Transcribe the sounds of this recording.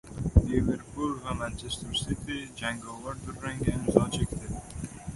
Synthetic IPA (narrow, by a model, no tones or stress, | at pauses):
levɪɾpʰʊɾvamant͡ʃʰest̪uɾsɪt̪ʰɪd͡ʒaŋɡɒvaɾd̪ʊɾːaŋɡʲaɪmzɒnt͡ʃʰekʲt̪ʰɪ